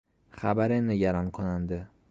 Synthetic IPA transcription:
χabaɾɪnɪɡʲaɾankʰonand̪ɪ

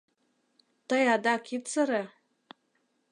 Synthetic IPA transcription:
tajadakʲʰit͡sʰɨɾa

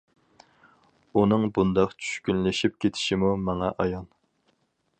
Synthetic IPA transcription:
unɨŋbund̪ɑqt͡ʃʰy̥ʃkʲynlɪʃip̚kʲʰet̪ʰɪ̥ʃimumɑŋɑʔɑjɑn

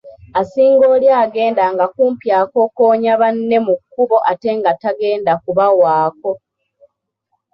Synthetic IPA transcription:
asiːŋɡo̞ːljaːɡe̞ːndaŋɡakuːmpjaːko̞koːɲaβanːe̞mukːuβo̞ʔate̞ŋɡataɡe̞ːndakuβawaːko̞

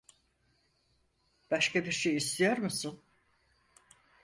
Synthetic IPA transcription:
b̥aʃkʰabiɾʃejist̪ʰijoɾmɯsɯn

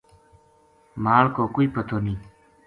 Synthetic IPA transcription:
maːlkoːkuipɐt̪ʰoniː

